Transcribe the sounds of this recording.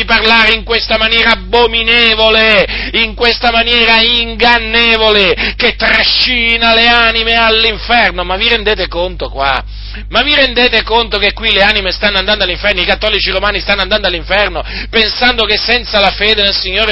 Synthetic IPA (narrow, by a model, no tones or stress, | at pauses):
iparlaːɾeiŋkwest̪amanjɛːɾaːbːomineːvoleiŋkwest̪amanjɛːɾaiŋɡanːeːvoleket̪ːɾaʃːiːnaleanimealːiɱfɛrnomavːiɾend̪eːt̪ekont̪okwa̰ | maviɾend̪eːt̪ekont̪okekːwileanimest̪anːoand̪and̪alːiɱfɛrnoikat̪ːɔːlit͡ʃiromaːnist̪anːoand̪and̪oalːiɱfɛrno | pensand̪okesːɛnt̪salafeːd̪enelsiɲːoːɾe